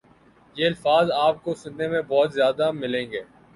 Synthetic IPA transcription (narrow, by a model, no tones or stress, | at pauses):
jeːɐlfaːzaːp̚kosʊ̃nd̪emẽbɔːt̪zjaːd̪amɪlẽːŋɡeː